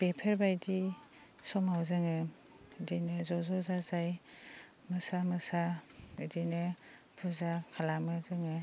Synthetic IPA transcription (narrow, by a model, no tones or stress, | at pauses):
pepʰeɾbajdi | sɔmawzɯŋɯ | dinɯzɔzɔzazaj | mɯsamɯsaɯdinɯ | pʰɯzakʰalamɯzɯŋɯ